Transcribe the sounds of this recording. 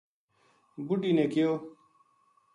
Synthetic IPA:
buɖiːneːkɪjoː

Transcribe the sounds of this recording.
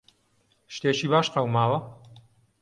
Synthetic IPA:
ʃt̪eːʃiːbaːʃqɐwmaːwɐ

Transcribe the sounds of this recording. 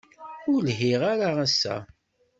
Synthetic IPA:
ʊɾlɦiʁaɾaasːæ̰

